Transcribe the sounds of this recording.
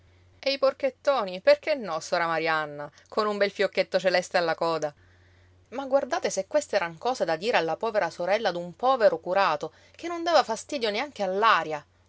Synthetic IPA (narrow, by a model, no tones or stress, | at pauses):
eiporket̪ːoːniperk̟enːɔsɔːɾamaɾianːa | konumbɛlfjokːet̪ːot͡ʃelɛst̪ealːakɔːd̪a | maɡward̪aːt̪esekwest̪eɛːɾaŋkɔːzed̪ad̪iːɾealːapɔːveɾasoɾɛlːad̪umpɔːveɾokuɾaːt̪o | k̟enːond̪aːvafast̪iːd̪joneaŋk̟ealːaːɾja